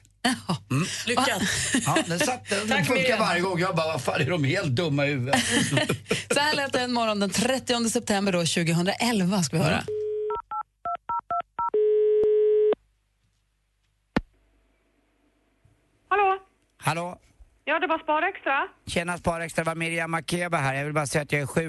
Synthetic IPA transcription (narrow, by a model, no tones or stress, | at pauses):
ahɔlʏɔːad̪ɛsat̪ːəɛfɵŋkːavaɾjəɡɔŋːjɑːɡbɑːvaɾfaːnd̪ɛɖɔmheːlt̪̚d̪ɵmːahʉ̟ːvə | sɔhæːɭɛːt̪əɛnmɔɾɔnd̪ɛnt̪ʰɾɛt̪ːɪɔnd̪əsɛp̚t̪ʰɛmbəɖɔɕʉ̟ːɡəɦɵnd̪ɾaʔɛlvaskavɪhœ̰ːɾa̰ | haloː | haloː | jɑːd̪ɛbɑːspɑːɾɛkst̪ɾaɕeːnaspɑːɾɛkst̪ɾavamɪɾɪamːakʰeːbaɦæːɾjɑvɪlbɑːɾasɛjat̪jaɡæɾɧʉ̟ː